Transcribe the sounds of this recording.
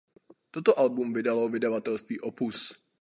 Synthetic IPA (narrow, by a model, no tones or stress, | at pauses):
t̪ot̪oʔalbumvɪdalovɪdavat̪ɛlst̪viːʔopus